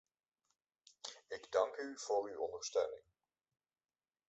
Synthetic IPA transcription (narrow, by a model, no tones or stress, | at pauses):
ɪɡdɑŋkyv̥oːɹywɔndəɹstøːnɪ̰ŋ